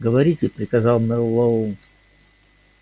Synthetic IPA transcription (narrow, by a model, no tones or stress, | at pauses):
ɡəvɐɾʲitʲɪpɾʲɪkɐzɑlˠmnʲɛlˠɐun